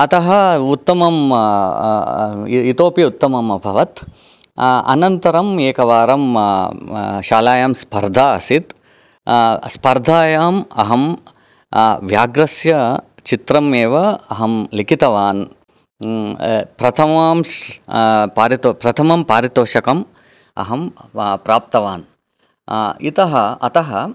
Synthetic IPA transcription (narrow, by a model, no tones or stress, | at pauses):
ɐt̪ɐɦɐut̪ːɐmɐm | it̪oːpjɐut̪ːɐmɐmɐbʱɐʋɐt̪ | ɐ̰nɐnt̪ɐɾɐmeːkɐʋaːɾɐm | ʃaːlaːjaːmspɐɾd̪ʱaːɐ̰sit̪ | spɐɾd̪ʱaːjaːmɐ̰ɦɐm | ʋjaːɡɾɐsjɐ | t͡ʃit̪ɾɐmeːʋɐɐɦɐmlikit̪ɐʋaːn | pɾɐt̪ʰɐmaːm | paːɾit̪opɾɐt̪ʰɐmɐmpaːɾit̪oːʃɐkɐm | ɐ̰ɦɐmpɾaːp̚t̪ɐʋaːn | it̪ɐɦɐɐt̪ɐɦɐ